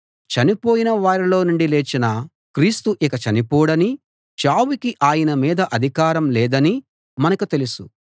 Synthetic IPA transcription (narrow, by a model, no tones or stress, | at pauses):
t͡ʃɐnipo̞ːjinɐʋaːɾilo̞ːnuɳɖileːt͡ʃinɐ | kɾiːst̪uʔikɐt͡ʃɐnipɔːɽɐni | t͡ʃaːwikiʔaːjɐnɐmiːd̪ɐʔɐd̪ʱikaːɾɐmlɛːd̪ɐni | mɐnɐkut̪e̞lusu